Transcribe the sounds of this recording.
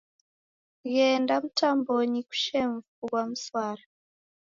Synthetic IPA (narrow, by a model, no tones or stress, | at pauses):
jɛndamutʰambɔɲiku̥ʃɛɱvukwamuswaːɾa